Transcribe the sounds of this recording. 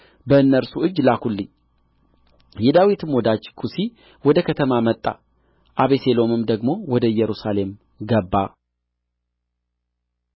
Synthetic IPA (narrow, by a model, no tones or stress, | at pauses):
bəɨnːəɾsuɨd͡ʒːlakʰulːɨɲː | jɛd̪awit̪ʰɨmwɔd̪at͡ʃːkʰusi | wɔd̪əkʰət̪ʰəmamət̪ʼːa̰ | ʔaβeselo̞mɨmd̪əɡmo̞wɔd̪əɨjɛɾusale̞m | ɡəbːa